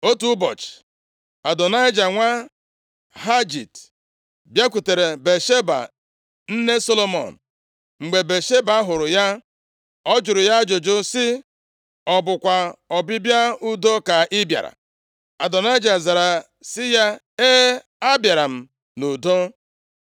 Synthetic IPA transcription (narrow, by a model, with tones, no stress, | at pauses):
o˦tu˦bɔ̰˨t͡ʃ | a˨dɔ˨na˦ɪ˦d͡ʒa˨ŋʷa˦ | ɦa˦d͡ʒḭ˨t | bja˦kʷu˨te˨ɾe˨be˨ʃe˦ba̰˨ | n̩˦ne˦so˦lo˦mɔ̰˨n̩˨ | ŋ͡m̩˨ɡ͡be˨be˨ʃe˦ba˦ɦʊ˨ɾʊ˨ja˦ | ɔ˦d͡ʒʊ˨ɾʊ˨ja˦d͡ʒo˨d͡ʒʊ˦sɪ˦ | ɔ˨bʊ˨kʷa˨ɔ˨bɪ˦bja˦u˦do˦ka˨ʔɪ˦bja̰˨ɾa̰˨ | a˨dɔ˨na˦ɪ˦d͡ʒa˨za˨ɾa˨ | sɪ˦ja˦ | e˦ | a˦bja˨ɾa˨m̩˨ | nu˨do˦